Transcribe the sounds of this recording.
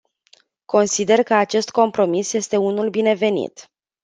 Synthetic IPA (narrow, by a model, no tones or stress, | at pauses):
ko̞nsid̪e̞rkəat͡ʃe̞st̪ko̞mpɾo̞misje̞st̪e̞unulbine̞ve̞nḭt̪